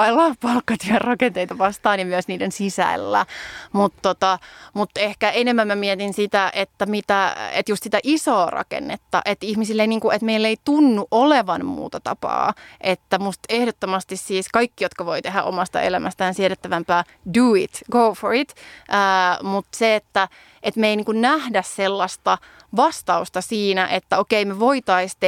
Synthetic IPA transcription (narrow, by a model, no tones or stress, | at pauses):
ɑilːɑpɑlkːɑt̪yærrɑkent̪eit̪ɑʋɑst̪ɑːnjɑmyøsniːdensisæ̰ːlːæ̰mut̪ːot̪ɑmut̪ːehkæʔenemːæmmæmiɛt̪insit̪æʔet̪ːæmit̪æḛt̪just̪sit̪æʔisoːrʔɑ̰kḛnːet̪ːɑ̰ʔet̪ihmisilːeiniːŋkuʔet̪meilːeit̪unːuʔʔoleʋɑnmṵːt̪ɑt̪ɑ̰pɑ̰ːʔet̪ːæmust̪ehdot̪ːomɑst̪issiːskɑikːijot̪kɑʋoit̪eɦæ̰ʔo̰mɑst̪ɑ̰ḛlæmʔæ̰st̪æːnsieɾet̪ːæʋæmpæː | duit̪ɡoforit̪ʔəːmut̪seet̪ːæ | et̪meiniːŋkunnæhdæsselːɑst̪ɑ | ʋɑst̪ɑust̪ɑsiːnæʔet̪ːæokeimeʋoit̪ɑist̪e